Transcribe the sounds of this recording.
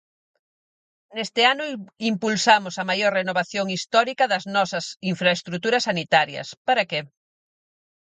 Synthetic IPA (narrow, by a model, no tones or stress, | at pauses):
nest̪ɪanʊimpulsamʊsɐmajoɾrenoβaθjoŋist̪ɔɾikɐðɐznɔsɐsiɱfɾɐest̪ɾut̪uɾɐsːanit̪aɾjɐ̰spaɾɐke